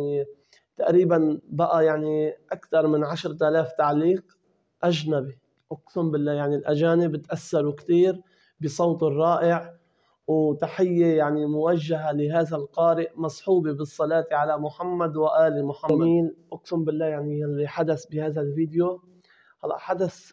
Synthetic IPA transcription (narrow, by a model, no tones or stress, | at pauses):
ni | t̪aʔɾiːbanbaʔajaʕniʔakt̪ɑɾˤmɪnʕaʃɾˤt̪ʔalaːft̪aʕliːq | ʔaʒnabi | ʔʊqsʊmbɪlːaːjaʕnilʔaʒaːnɪbɪt̪ʔasːɑɾˤuwkt̪iːɾ | bɪsˤowt̪ˤɨrˤːɑːʔɪʕ | wt̪aħɪjːejaʕnimʊwaʒːaɦalɪɦaːðalqɑːɾɪʔmɑsˤħuːbibɨsˤːɑlɑːt̪iʕalamʊħamːad̪waʔaːlimʊħamːiːnʔʊqsʊmbɪlːaːjaʕnijalːiħad̪asbɪhaːðalviːd̪ɪjo | hɑlːɑ̰ʔħad̪as